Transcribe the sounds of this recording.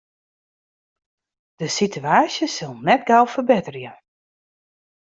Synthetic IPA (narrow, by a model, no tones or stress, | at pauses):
d̥əsitʰyaːsjəsɪlˠnɛt̚ɡalˠfərbɪtərjə